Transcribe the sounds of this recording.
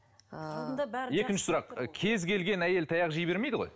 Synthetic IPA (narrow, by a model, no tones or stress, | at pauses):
je̞kʲɪnʃɪ̥sʊɾɑqkʲʰe̞zkʲʰe̞lɡʲe̞næje̞lt̪ʰɑjɑqʒijbe̞ɾme̞jd̪ɪəʁoj